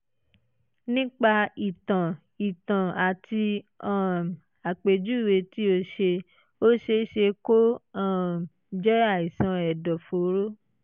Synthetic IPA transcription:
nĩ˦k͡pa˧i˨tã˨ | i˨tã˨a˨tʰi˧ã˦˨ | a˨k͡pe˨d͡ʒu˦˨we˨˧ti˦o˧ʃe˧ | o˦ʃe˧˦ʃe˧ko˦ã˦˨ | d͡ʒɛ˦a˦˨i˨sã˨˧ɛ˨dɔ˨fo˨˦ɾo˦

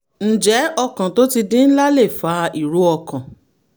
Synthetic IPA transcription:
n̩˨d͡ʒɛ˨˦ɔ˧kã˨to˦ti˧dĩ˦n̩˦la˦le˦˨fa˨˦i˨ɾu˨˦ɔ˧kã˨

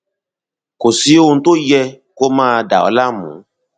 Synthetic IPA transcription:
ko˨si˦wo˦n̩˦t̪o˦jɛ˦ | ko˦mãː˦˨da̰˨wɔ̰˨˦la˦mṵ̃˨˦

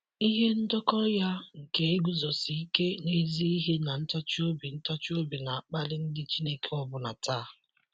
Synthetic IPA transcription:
i˦ɦe˦n̩˦dɔ˦kɔ˦ja˦ŋ̩˨ke˨e˦ɡʷu˦zɔ˨si˨i˦ke˦ne˦zi˦i˦ɦe˦na˨n̩˦tɔ˦t͡ʃo˦bi˨n̩˦tɔ˦t͡ʃo˦bi˨na˨a˨k͡pa˦lɪ˦n̩˦dɪ˦t͡ʃi˦ne˦ke˦ɔ˦bʊ˨na˨taː˦˨

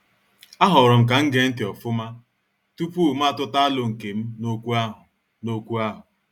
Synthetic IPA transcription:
a˦ɦʊ˨ɾʊ˨m̩˨k̬a˨ŋ̩˦ɡe˦n̩˦tɪ˨ɔ˨fʊ˦ma˦ | tu˦pu˦˨m̩˦a˦tʊ˦ta˦a˦lʊ˨ŋ̩˨ke˨m̩˦no˦kʷu˦a˦ɦʊ˨ | no˦kʷu˦a˦ɦʊ˨

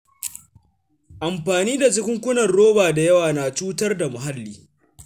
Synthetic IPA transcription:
ʔa˨mɸaː˨niː˦da˨t͡ʃʊ˦kʲʷʊ˦ŋkʷʊ˦nɐ˨rɽoː˦baː˨da˨jɐ˦waː˨naː˨t͡ʃuː˦tɐ˦rda˨mʊ˨ɦa˦lːiː˨

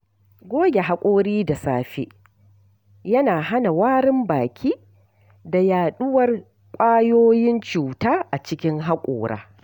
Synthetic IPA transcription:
ɡʷoː˦ɡʲe˨ɦa˦kʷʼoː˦ɽiː˦da˨saː˦ɸḭ˦ʔ | jɐ˦naː˨ɦa˦na˨waː˦ɾɪ˦mbaː˨kʲʰiː˦ | da˨jaː˨ɗʊ˦wɐ˨r | kʷʼaː˦joː˦jɪ˦nt͡ʃuː˨taː˦ʔa˨t͡ʃɪ˦kʲɪ˦ŋɦa˦kʷʼo̰ː˨ɽa̰ː˦

